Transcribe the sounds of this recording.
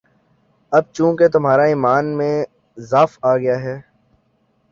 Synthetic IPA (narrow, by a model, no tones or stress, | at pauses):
ɐb̚t͡ʃũːket̪ʊmɦaːɾaiːmaːnmẽ | zaːfaːɡɐjaɦɛː